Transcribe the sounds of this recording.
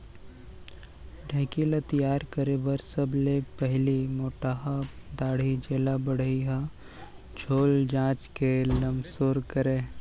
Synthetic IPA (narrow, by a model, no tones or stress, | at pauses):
ɖʱɛ̃ːkilɐt̪ijaːɾkəɾebəɾsəblepɛɦlimoːʈaːɦad̪aːɽ̤id͡ʒeːlabəɽ̤iɦã | d͡ʒʰʱoːld͡ʒãːt͡ʃkelɐmsoːɾkəɾẽː